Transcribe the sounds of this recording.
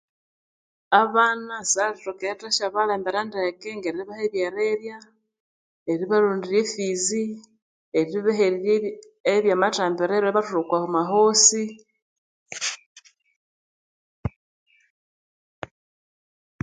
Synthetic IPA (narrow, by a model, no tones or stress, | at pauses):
aβanasalitoketaʃaβaleːmbeɾandekeŋɡeɾiiβaheβjeɾeβja | eɾiβaluːndiɾefizi | eɾiiβeɦe | eβjamataːmbeɾeβaaβatuɾukwahumaɦosi